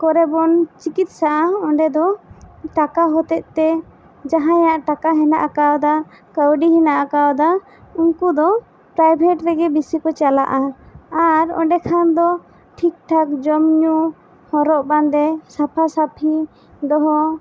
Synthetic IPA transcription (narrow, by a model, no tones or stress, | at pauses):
kɔɾɛbɔnt͡ʃikit̪̚saʔaɔɳɖɛd̪ɔʈakaɦɔt̪ɛʔ̚t̪ɛ | d͡ʒaɦãjaʔʈakaɦɛnaʔakaɔd̪a | kəwɖiɦɛnaʔakaɔd̪a | uŋkud̪ɔ | pɾajbʱɛʈɾɛɡɛbisikɔt͡ʃala̰ʔaaɾɔ̰ɳɖɛkʰand̪ɔ | ʈʰik̚ʈʰak̚d͡ʒɔmɲu | hɔɾɔʔband̪ɛsapʰasapʰi | ɖɔɦɔ